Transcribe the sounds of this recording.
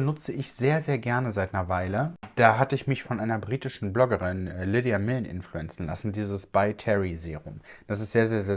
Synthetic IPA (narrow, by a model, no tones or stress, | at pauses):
ənʊt͡səɪçz̥eːɐzeːɐɡɛɐnəzaɪtnɐvaɪləd̥aːɦatəɪçmɪçfɔnʔaɪnɐbʁiːtɪʃn̩blɔɡəʁɪnlɪdiamɪlən̩ʔɪ̰nfluɛnt͡sn̩la̰sn̩diːzəsb̥aɪtʰɛʁizeːʁʊ̰md̥asɪstz̥eːɐzeːɐzeːɐ